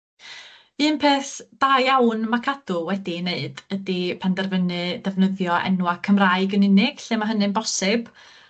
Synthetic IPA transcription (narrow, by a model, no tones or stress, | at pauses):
ɨːnpʰeːθd̥ajawnmakʰad̥ʊlˠwɛdineɨdədipʰandɛrvənɨdɛvnəðjɔʔɛ̰nwakʰəmraɨɡənɨnɪɡ̥ɬemaɦənɨnbɔsɪb̥